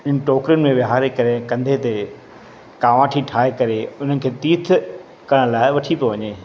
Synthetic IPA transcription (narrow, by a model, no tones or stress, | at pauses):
ɪnɪ̆ʈoːkɾijʊnɪ̆mẽʋjɪɦaːɾekɐɾekɐ̃nd̪ʱet̪e | kaːʋãːʈʰiʈʰaːɦekɐɾeʊn̤ənɪ̆kʰeːt̪iːt̪ʰ | kɐɽ̃laːɪʋɐʈʰipoʋɐɲeː